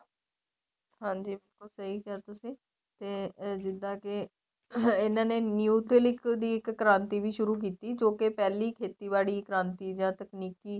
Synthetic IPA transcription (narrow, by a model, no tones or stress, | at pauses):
ɦãːd͡ʒiːbɪlkʊlsəɦiːkɪaːt̪ʊsĩː | t̪eːd͡ʒɪd̪ãːkɪ | ɪnãːneːnjuːt̪ʰɪlɪkd̪iːɪkːɾãːnt̪iːʋiːʃʊɾuːk̬iːt̪iːd͡ʒoːkɪpɛːliːkʰeːt̪iːbaːɽiːkɾãːnt̪iːd͡ʒãːt̪əkniːkiː